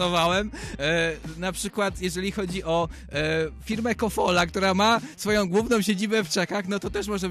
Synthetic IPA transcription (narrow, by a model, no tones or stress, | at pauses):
ɔvawɛm | napʂɘkwat̪jɛʐɛlʲixɔd͡ʑiʔɔ | fʲiɾmɛkɔfɔlak̚t̪uɾamasfɔjɔ̃w̃ɡwuvnɔ̃w̃ɕed͡ʑibɛft͡ʂɛkaxnɔt̪ɔt̪ɛʂmɔʐɛ